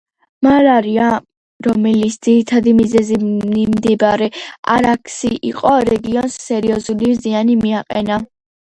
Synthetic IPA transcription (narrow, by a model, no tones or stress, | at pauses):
maɾaɾia | ɾɔmɛlit̪sʰd̪z̥iɾit̪ʰad̪imizɛziimd̪ibaɾɛa̰ɾakʰsiʔiqʼɔɾɛɡiɔnsːɛɾiɔzulimzianimiaqʼɛna